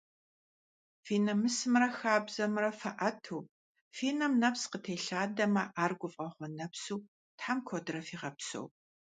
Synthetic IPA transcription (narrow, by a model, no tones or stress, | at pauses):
fiːnɐmɨsɨmrɐxaːbz̥ɐmrɐfɐʔɐtʰuː | fiːnɐmnɐpsqətʰeːɬaːdɐmɐʔaːrɡʷʊfʼɐχʷɔnɐpsuː | tħamkʰodrɐfiːʁɐpso̰w